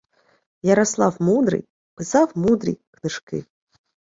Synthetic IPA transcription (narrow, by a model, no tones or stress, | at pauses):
jɐɾɔslˠawmud̪ɾɨ̰j | pɨsawmud̪ɾʲḭjknɨʂkɪ̰